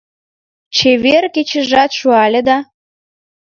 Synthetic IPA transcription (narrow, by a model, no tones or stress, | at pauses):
t͡ɕeβerket͡ɕə̆ʒɑt̪ʃuɑlʲed̪ɑ